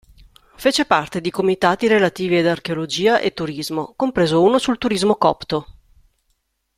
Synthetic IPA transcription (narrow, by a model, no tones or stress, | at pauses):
feːt͡ʃepart̪ed̪ikomit̪aːt̪iɾelat̪iːvied̪arkeolod͡ʒiːaʔet̪ːuɾizmokompɾeːzouːnosult̪uɾizmokɔ̰pt̪o